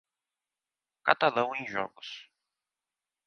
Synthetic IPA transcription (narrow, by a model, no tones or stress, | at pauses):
ka̰t̪alɐ̃w̃ẽj̃ʒɔ̰ɡʊs